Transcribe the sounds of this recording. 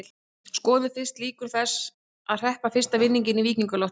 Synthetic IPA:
l | skɔːðʏfɪr̥st̪liːkʏɾ̥θɛsː | aðr̥ɛhpafɪr̥st̪avɪnːiɲcɪniviːkniŋkʏlɔht̪

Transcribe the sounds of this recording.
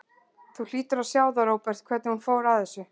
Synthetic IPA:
θul̥iːt̪ʏɾawsjaːwðaɾoːwpɛɾ̥t̪̚kʰvɛːt̪nɪhunfoːwɾaθɛsːʏ

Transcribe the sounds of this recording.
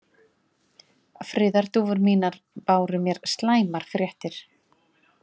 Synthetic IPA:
fɾɪːðaɾ̥t̪uːvʏɾmiːnaɾ | paːwɾʏmjɛɾst̪laːjmaɾ̥fɾjɛht̪ɪɾ̥

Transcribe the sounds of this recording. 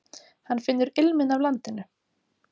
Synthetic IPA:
hanːfɪnːʏɾɪlmɪnavlant̪ɪnːʏ

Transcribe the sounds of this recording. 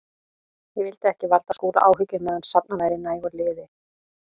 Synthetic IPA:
jɛvɪlt̪ɪɛhcɪvalt̪askuːla̰ʔaːwɦʏcʏmɛːðʏnsap̚navaːjɾɪnːajivɔɾlɪːðɪ

